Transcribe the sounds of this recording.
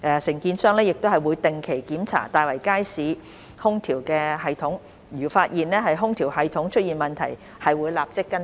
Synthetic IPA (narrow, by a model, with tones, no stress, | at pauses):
ʔɛː˧sɪ˨˩ŋkiː˧nsœː˥ŋlɛː˥jɪ˨k̚t̪o˥hɐ˨˩jwuː˨˧jt̪ɪ˨ŋkʰe˨˩jkiː˨˥mt͡sʰa̰ː˨˩t̪aː˨˧jwɐ˨˩jkaː˥jsiː˨˥ | hʊ˥ŋt̪ʰiː˨˩wkɛː˧ɦɐ˨jt̪ʰʊ˨˥ŋ | jyː˨˩faː˧t̚jiː˨nlɛː˥ɦɐ˨jɦʊ˥ŋt̪ʰiː˨˩whɐ˨jt̪ʰʊ˨˥ŋt͡ʃʰɵ˥t̚iː˨˩nmɐ˨˩nt̪ʰɐ̰˨˩j | hɐ˨jwuː˨˧jlaː˨p̚t͡sɪ˥kːɐ˥n